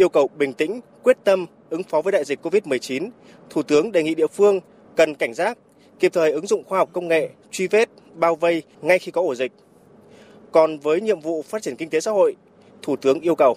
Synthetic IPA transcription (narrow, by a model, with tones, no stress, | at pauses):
ʔi˧əwkə˨˩wɓï˨˩ŋ̟t̪ï˧˥ŋ̟kwi˦˥ət̚t̪ə˧m | ʔɨ˨˦ŋfɔ˨˦vəː˨˦jɗa̰ː˧˨zi˨˩k̚ko˧vi˦˥t̚mɨ˨˩əjt͡ɕi˨˦n | t̪ʰu˧˩t̪ɨ˨˦əŋɗe˨˩jŋḭ˧˨ɗḭ˧˨əfɨ˧əŋ | kə˨˩nka˧˩ŋ̟zaː˦˥t̚ | ki˨˩əp̚t̪ʰəː˨˩jʔɨ˨˦ŋzʊ̰˧˨ŋ͡mxwaː˧ɦɔ˨˩wk͡p̚kə˧wŋ͡mŋḛ˧˨t͡ɕwi˧ve˦˥t̚ | ɓaː˧wvə˧j | ŋa˧jxi˧kɔ˨˦ʔo˧˩zï˨˩k̟̚ | kɔ˨˩nvəː˨˦jɲḭ˧˨əmvṵ˧˨faː˦˥t̚t͡ɕi˧˩ənki˧ŋ̟t̪e˨˦sa̰˧˥ho̰˧˨j | t̪ʰu˧˩t̪ɨ˨˦əŋʔi˧əwkə˨˩w